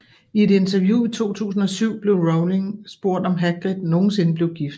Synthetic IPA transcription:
ie̝d̥e̝nt͡sʰæɐjuit͡sʰo̝̰ːt͡sʰṵːs̬n̩ɒ̽syʊ̰b̥le̝ʊʁoʊleŋsb̥o̝ɐ̰d̥ɒ̽mɦæɡ̥ʁid̥no̝ːn̩se̝nəb̥le̝ʊɡ̥ifd̥

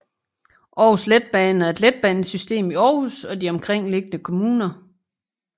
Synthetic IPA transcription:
ʔɒːusled̥̚b̥ɛːn̩æɐe̝d̥led̥̚b̥æn̩sysd̥e̝̰ːmiɒːusɒ̽d̥iɒ̽mkʰʁeŋ̰le̝ɡ̥ənəkʰo̝muːnɐ

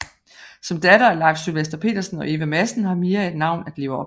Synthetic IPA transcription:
sɒ̽md̥ædɐælɑ̈ːɡ̥sːylʋesd̥ɐpʰe̝̰ːd̥ɐsn̩ɒ̽ʔe̝ːʋæmæsn̩hɑ̈me̝ːɐe̝d̥nɑ̈ʊ̰næd̥le̝ːʊɐɒ̽

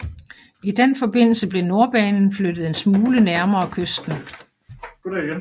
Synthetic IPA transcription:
id̥enfɒ̽b̥e̝n̰l̩səb̥le̝no̝ɐb̥ɛːnn̩flød̥ð̩ˠe̝nsmuːlənæɐmɐːkʰøsd̥n̩̥ | o

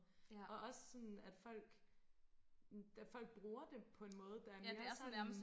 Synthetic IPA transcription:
ɒ̽ʔɒ̽sə̥sɒ̽næd̥fɒ̽l̰ɡ̥ | d̥æfɒ̽l̰ɡ̥̚b̥ʁuːɐd̥e̝pʰɒ̽e̝nmɔ̽ːð̞̩ˠəd̥ɑ̈æɐe̝ɐɐsnm

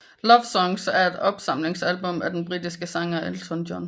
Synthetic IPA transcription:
lɒʋsɒ̽ŋsæɐe̝d̥ɒ̽b̥sɑ̈m̰le̝ŋsælb̥ɔ̽mæd̥en̩b̥ʁid̥isɡ̥əsɑ̈ŋɐelt͡sʰɔndɒn

